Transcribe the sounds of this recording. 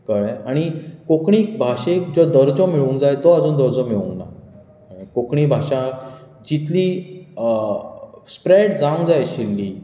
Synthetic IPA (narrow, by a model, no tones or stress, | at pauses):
kəɭɛaɽ̃ikokɳikbʱaʂekd͡ʑɔd̪əɾd͡zɔmiɭuːnd͡zajet̪ɔad͡zuːnd̪əɾd͡zɔmiɭṵnːa̰ | ikokɳiːbʱaʂã | d͡ʑit̪liː | spɾeɽd͡zaũŋd͡zajeɕilːiː